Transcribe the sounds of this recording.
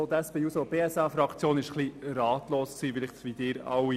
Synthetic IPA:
ot̪æspeuːsob̥eːɛsɑːfɾɑkt͡sjoːnɪʃχliɾɑːt̪loːsksiːfɪlɪχtʋid̥̪ɪːɾɑ̰wi

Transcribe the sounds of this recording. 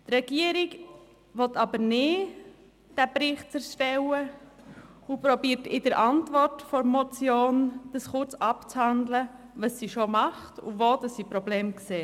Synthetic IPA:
trɛɡ̥iəɾiɡ | ʋɔtɑbəɾnɪ | d̥æbɾɪχtt͡sɛɾʃtɛwə | upɾɔbiːəɾtɪdəɾʔɑntvɔrtfɔɾmɔt͡sjoːnd̥əsχʊɾt͡sɑpt͡shandlə | vɑsːiʃomɑχtʊ̰voːd̥ɑsːipɾɔbleːmkseː

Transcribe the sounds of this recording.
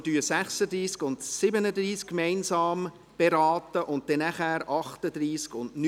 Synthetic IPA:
dyːəsæχsədɾiːskʊndsɪbənədɾiːskkmɛɪnsɑːm | b̥eɾɑːtəʔʊnt̚d̥ɛnæχæːɾɑχtəd̪ɾiːskʊndn

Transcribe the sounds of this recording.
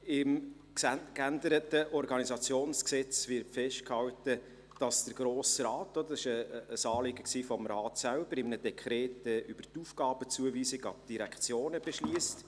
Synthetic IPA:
ɪm | kændəɾətəʔɔrɡɑnizɑt͡sjoːnsksɛt͡svɪɾtfɛʃtkhɑwtə | d̥ɑsd̥əɾɡ̥ɾoːsɾɑːtːɔd̪əɑsɪʃəːsɑːlɪɡəksiːfɔmɾɑːtsælb̥əɾɪmnədɛkʰɾɛːtəʔyb̥ərtufɡ̥ɑːb̥ət͡suəviːsɪɡɑb̚d̥iɾækχt͡sjoːnəb̥ɛʃliəst

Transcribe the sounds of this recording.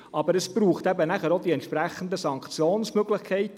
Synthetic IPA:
ʔɑbəɾəsbɾuːχt̪ɛbənæχəɾod̪iɛnt̪ʃpɾæχːənd̪əsɑŋkt͡sjoːnsmøɡlɪχkʰɛɪt

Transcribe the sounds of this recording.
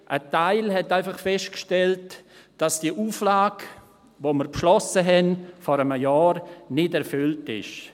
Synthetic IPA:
ʔətaɪlhɛtaɪfɑχfɛʃtkʃtɛltd̥ɑsd̥iəʔuːflaːk | voːməɾpʃlɔsəɦɛnfɔɾəməjɑːɾnɪdɛɾfʏltɪ̰ʃ

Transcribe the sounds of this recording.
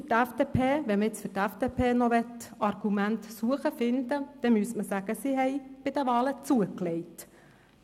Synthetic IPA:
fʏtæfd̥epʰeːʋɛməɪt͡sfʏɾtæfd̥̪epʰeːnɔʋɛtɑɾɡ̥umæntsuəχəfɪnd̪əd̪̥ɛmyəsməsæɡəsiɦɛɪb̥ɪd̥̪əʋɑːlət͡suəklɛɪt

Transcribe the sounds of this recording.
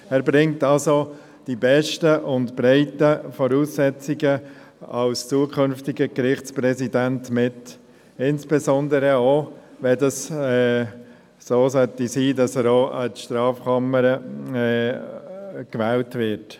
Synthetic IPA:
æːɾbɾɪŋtɑlso | d̥ibɛʃtəʔʊndb̥ɾɛɪtəfɔɾuːsːɛt͡siɡə | ɑ̰lst͡suːəkʰχʏnftɪɡəɡɾɪχt͡spɾɛsidæntmɪt | ɪnsb̥ɛzɔndəɾəoːʋɛdɑsɛ | soːsœtisiːdɑsæːɾoːʔətʃtɾɑːfkʰɑməɾə | kʋɛːltvɪɾt

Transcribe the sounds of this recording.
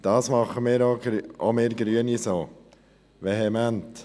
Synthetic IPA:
d̥ɑːsmɑχəmɪːɾoɡʔomeːɾɡɾyənisoː | veɦɛmænt

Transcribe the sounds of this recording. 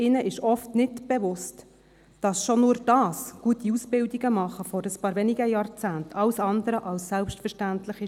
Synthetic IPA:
ɪnəʔɪʃɔftnɪtb̥ɛvʊst | d̥ɑsʃonuːɾd̥ɑːsɡ̥uətiusb̥ɪldiɡəmɑχəfɔɾəspɑːɾʋɛniɡəjɑːɾt͡sæːntʰɑʊsɑndəɾəʔɑlssɛlpʃtfəɾʃtæntlɪχɪ

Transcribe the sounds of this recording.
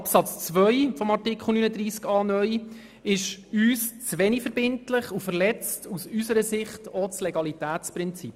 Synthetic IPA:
ɑpsɑt͡st͡sʋœjfɔmɑrtikχl̩ˠnyːnəd̪riːskɑːnœʏ | ɪʃyːst͡sʋɛnifəɾbɪntlɪχufəɾlɛt͡stusysəɾəsɪχtot͡slɛɡɑlitæːtt͡spɾɪnt͡sip

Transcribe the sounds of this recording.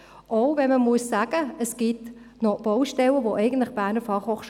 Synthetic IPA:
ʔoʊvɛnməmuəsːæːɡ̥əəsɡ̥it | nɔb̥ɔʊʃtɛləʋoʔɛɪɡən̩tlɪχb̥æːnəfɑχhoχʃ

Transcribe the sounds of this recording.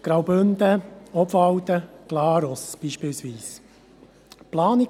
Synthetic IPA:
ɡ̥ɾɑwbʏndəɔbfɑwt̪əɡ̥lɑːɾɔsb̥iːʃpɪːlsʋiːs | plɑːnɪ

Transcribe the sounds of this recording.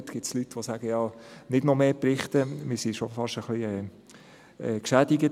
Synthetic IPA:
t̪ɡ̥ɪt̪slyt̪ːʋosæɡ̥əjɑːnɪdnɔmeːpɾɪχt̪əmɪsiʃɔfɑʃəχliɛː | ɛkʃæd̥ɪɡə

